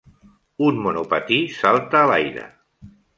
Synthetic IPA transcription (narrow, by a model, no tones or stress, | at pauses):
unmunupət̪isalˠt̪əːlajɾə̰